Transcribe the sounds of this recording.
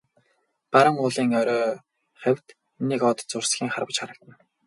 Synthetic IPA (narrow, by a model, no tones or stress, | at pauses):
paɾə̆ŋʊːɮiːŋœɾʲœː | χæw̥ʲt̪ | niːkɔːt̪t͡sʊrsɡʲiːŋχarpə̆t͡ɕχaɾə̆kt̪ə̆n